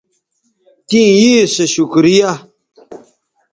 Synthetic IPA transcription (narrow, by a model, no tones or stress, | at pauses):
t̪ĩjiːseɕukɾija